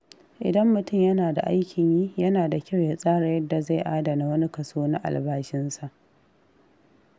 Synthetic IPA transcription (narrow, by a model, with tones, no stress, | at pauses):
ʔɪ̰˨dɐ˦mːʊ˨tʊ˦˨mjɐ˦naː˨da̰˨ʔa˦jkʲʰɪ˨ɲjiː˦jɐ˦naː˨da˨kʲa˦˨wjaː˨˦sʼaː˦ɾa˨jɐ˦dːa˨za˦˨jʔaː˦da˨na˦wɐ˦ni˦kɐ˨soː˦na˦ʔa̰˨lbaː˦ʃɪ˦nsa˨ʔ